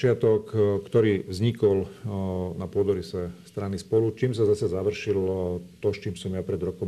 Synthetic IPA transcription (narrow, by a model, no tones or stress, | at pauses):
ɪat̪ɔkkːt̪ɔɾiːvzɲikɔl | napʊɔd̪ɔɾisɛst̪ɾanispɔlut͡ʃiːmsazasazaʋr̩ʃilɔt̪ɔst͡ʃiːmsɔmjapɾɛd̪ɾɔkɔm